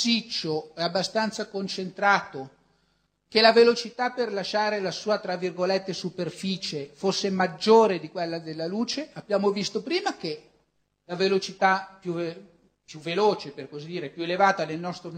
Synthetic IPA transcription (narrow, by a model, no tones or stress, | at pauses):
sit͡ʃːoɛabːast̪ant̪sakont͡ʃent̪ɾaːt̪o | kelavelot͡ʃit̪aperlaʃaːɾelasuːat̪ɾavːirɡolet̪ːesuperfiːt͡ʃefosːemad͡ʒːoːɾed̪ikwelːad̪elːaluːt͡ʃeabjaːmovist̪opɾiːmak̟e | lavelot͡ʃit̪apju | pjuvːeloːt͡ʃeperkozid̪iːɾepjuelevaːt̪ad̪elnɔst̪ɾo